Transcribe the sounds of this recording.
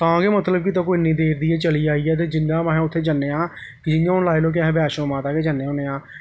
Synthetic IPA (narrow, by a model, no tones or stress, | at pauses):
t̪ãːɡeːmət̪ləbkit̪ãːk̬oːinĩːd̪eːɾd̪iːɛːt͡ʃəliːaːiːɛːt̪̬eːd͡ʒɪnd̪ãːməɦɛ̃ːʊt̪ʰːeːd͡ʒənːeːãː | kɪd͡ʒɪjãːɦʊnlaːeːloːk̬ɪɦɛ̃ːbɛːʃõːmãːt̪aːkeːd͡ʒənːeːõːneːãː